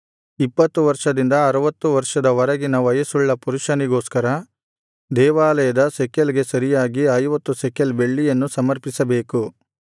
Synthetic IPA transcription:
ipːɐt̪ːuʋɐɾʂɐd̪ind̪ɐːɾɐʋɐt̪ːuʋɐɾʂɐd̪ɐʋɐɾɐɡinɐʋɐjɐsuɭːɐpuɾuʂɐniɡo̞ːskɐɾɐ | d̪ɛːʋaːlɐjɐd̪ɐsɛkːɐlɡe̞sɐɾijaːɡiɐjʋɐt̪ːusɛkːɐlbe̞ɭːijɐnːusɐmɐɾpisɐbe̞ːku

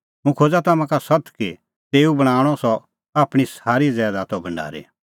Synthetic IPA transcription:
mũkʰoːd͡zat̪ɐmãkasɐt̪ʰki | t̪eːubɐɽ̃aːɽ̃ɔsɔ | aːpɽ̃isaːɾizɛːd̪at̪ɔbɐ̃ɳɖa̰ːɾḭ

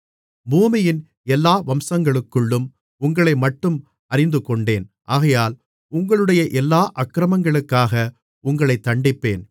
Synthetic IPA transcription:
buːmɪjɪn | ɛlːaːʋɐmsɐŋɡɐɭɯkːɯɭːɯm | ʊŋɡɐɭɐɪmɐʈːɯm | ɐɾɪnd̪ɯkɔɳɖeːnʔaːɣɐjaːl | ʊŋɡɐɭɯɽɐjɐʔɛlːaːʔɐkːɾɐmɐŋɡɐɭɯkːaːɣɐ | ʊŋɡɐɭɐɪt̪ːɐɳɖɪpːeːn

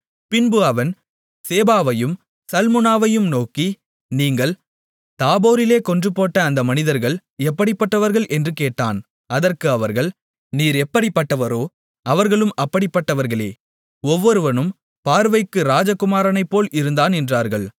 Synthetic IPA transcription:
pɪnbɯɐʋɐn | seːbaːʋɐjɯm | sɐlmɯnaːʋɐjɯmnoːki | niːŋɡɐɭ | t̪aːboːɾɪleːkɔndrɯpːoːʈːɐːnd̪ɐmɐnɪðɐɾɣɐɭ | ɛpːɐɽɪpːɐʈːɐʋɐɾɣɐɭʔɛndrɯkeːʈːa̰ːn | ɐðɐrkɯɐʋɐɾɣɐɭ | niːɾɛpːɐɽɪpːɐʈːɐʋɐɾoː | ɐʋɐɾɣɐɭɯmɐpːɐɽɪpːɐʈːɐʋɐɾɣɐɭḛː | ɔʋːɔɾɯʋɐnɯm | paːɾʋɐɪkːɯɾaːd͡ʒɐkːʊmaːɾɐnɐɪpːoːlɪɾɯnd̪aːnɛndraːɾɣɐɭ

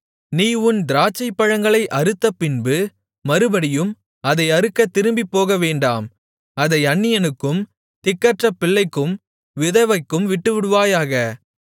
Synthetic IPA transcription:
niːʊnd̪ɪɾaːt͡ʃːɐɪpːɐɻɐŋɡɐɭɐɪʔɐɾɯt̪ːɐpːɪnbɯ | mɐɾɯbɐɽɪjɯm | ɐðɐɪɐɾɯkːɐt̪ːɪɾɯmbipːoːɣɐʋeːɳɖaːm | ɐðɐɪɐɳːɪjɐnɯkːɯm | t̪ɪkːɐʈrɐpːɪɭːɐɪkːɯm | ʋɪðɐʋɐɪkːɯmʋɪʈːɯʋɪɽɯʋaːjaːɣɐ

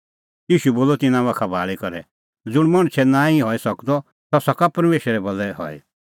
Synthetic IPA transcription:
jiːʃuboːlɔt̪ɪnãʋakʰabʱaːɭikɔɾɛ | d͡zʊɽ̃mɐɽ̃t͡ʃʰɛnãːĩɦɔisɐkd̪ɔ | t̪ɔsɔkapɐɾmeːʃɾɛbɐlɛhɔ̰ɛ̰

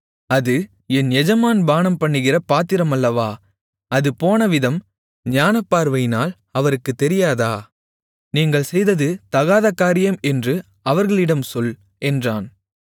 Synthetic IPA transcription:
ɐðɯ | ɛnjɛd͡ʒɐmaːnbaːnɐmpɐɳːɯɣɪrɐpaːt̪ːɪɾɐmɐlːɐʋaː | ɐðɯpoːnɐʋɪðɐm | ɲaːnɐpːaːɾʋɐjnaːl | ɐʋɐɾɯkːɯt̪ːɛɾɪjaːðaː | niːŋɡɐɭsɛjðɐðɯt̪ɐɣaːðɐkːaːɾɪjɐmɛndrɯ | ɐʋɐɾɣɐɭɪɽɐmsɔl | ɛndraːn

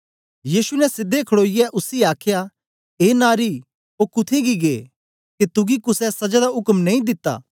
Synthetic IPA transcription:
jiːsunɛsɪd̪ekʰɐɽoːɪjɛʔʊsiaːkʰja | eːnaːɾi | oːkʊt̪ʰẽɡiɡeː | ket̪ʊɡikʊsɛsɐd͡ʒad̪aɦʊkmnɐĩd̪ɪt̪ːa̰ː

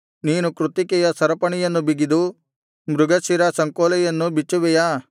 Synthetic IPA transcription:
niːnukɾut̪ikɛjɐsɐɾɐpɐɳɛjɐnːubiɡid̪u | mɾuɡɐsiɾɐsɐŋkoːlɛjɐnːubit͡ʃːuʋɛjaː

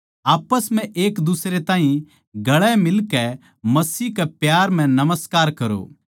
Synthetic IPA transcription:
aːpəsmɛ̃ʔeːkd̪usɾet̪aːɦĩ | ɡɐɭɛmɪlkɛ | mɐsiːkɛpjaːɾm̤ɛ̃nɐməskaːɾkɐɾo̰ː

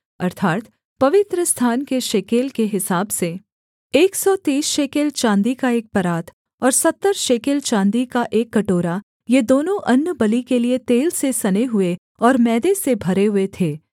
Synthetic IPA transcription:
ɐɾt̪ʰaːt̪ | pɐʋɪt̪ɾəst̪ʰaːnkeʃeːkeːlkeɦɪsaːbse | eːksɔt̪iːsʃeːkeːlt͡ʃãːnd̪ikaeːk̚pɐɾaːt̪ʰ | ɔːɾsɐt̪ːəɾʃeːkeːlt͡ʃãːnd̪ikaʔeːkːɐʈoːɾa | jed̪oːnõʔɐnːəbɐlikeliet̪eːlsesɐneɦʊe | ɔːɾmɛːd̪esebʱɐɾeɦʊet̪ʰeː

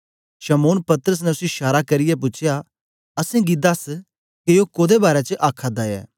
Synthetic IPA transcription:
ʃɐmoːnpɐt̪əɾəs̬nɛʊsɪʃaːɾakɐɾɪjɛp̬ʊt͡ʃʰja | ɐsẽɡid̪ɐs | kejokoːd̪ebaːɾɛt͡ʃəʔaːkʰːad̪ajɛ̰ː

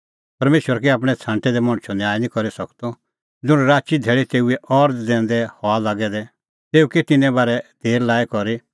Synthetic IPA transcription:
pɐɾmeːʃwəɾkiaːp̬ɽ̃ɛt͡sʰãːɳʈɛd̪ɛmɔ̃ɽ̃t͡ʃʰɔnjaːɛnĩkɔɾisɐkt̪ɔ | d͡zʊɽ̃ɾaːt͡ʃid̪ʱɛːɭit̪eːuɛʔɔɾd͡zɛ̃ːn̆d̪ɛhɔalaːɡɛd̪ɛ | t̪eːukit̪ɪnɛ̃baːɾɛd̪̥ʱeːɾlaːɛkɔɾi

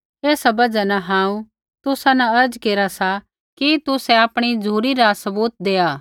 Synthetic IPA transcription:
eːsabɐd͡ʒanaɦãːũ | t̪ʊsanaɐɾd͡ʒkeːɾasa | kit̪ʊsɛ̃aːpɽ̃id͡ʒʱuːɾiɾasɐbuːt̪̚d̪eːaː

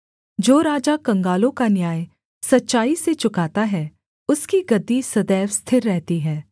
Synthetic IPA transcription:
d͡ʒoːɾaːd͡ʒakɐ̃ŋɡaːlõkanjaːj | sɐtːʃaːiset͡ʃʊkaːt̪aɦɛː | ʊskiɡɐd̪ːisɐd̪ɛːʋst̪ʰɪɾːɛɦt̪iɦɛː

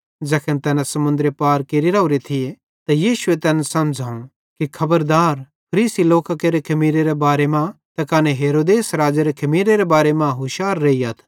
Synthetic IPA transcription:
d͡ʒɐkʰənt̪ɛːnasɐmʊ̃nd̪ɾepaːɾkeɾiɾaːuɾet̪ʰɪje | t̪ɐjiːʃʊet̪ɛːnsɐmd͡ʒʱaːũ | kikʰɐbəɾd̪aːɾ | pʰɐɾiːsiloːkakeɾekʰɐmiːɾeɾebaːɾemãt̪ɐkaːneɦeːɾoːd̪eːsɾaːd͡ʒeɾekʰɐmiːɾeɾebaːɾemãɦʊʃaːɾːeːiɐt̪ʰ

